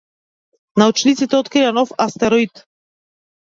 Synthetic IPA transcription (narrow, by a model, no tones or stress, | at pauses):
naut͡ʃnit̪sit̪ɛot̪kɾianɔfast̪ɛɾoit̪